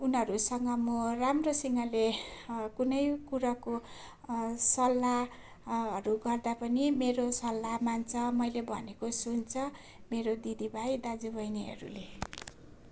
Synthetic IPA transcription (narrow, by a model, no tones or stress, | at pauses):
unɦʌɾusʌŋɡʌmoramrosiŋalekunʌjkuɾako | sʌlːa | ʌɾuɡʌrd̪apʌnimeɾosʌlːamant͡sʰʌmʌjlebʱʌ̰nekosunt͡sʰʌ | meɾod̪id̪ibʱajd̪ad͡zubʌjniɦʌ̰ɾṵle